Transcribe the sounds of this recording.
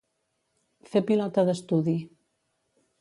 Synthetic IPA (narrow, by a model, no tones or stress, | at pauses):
fepilɔt̪əðəst̪uði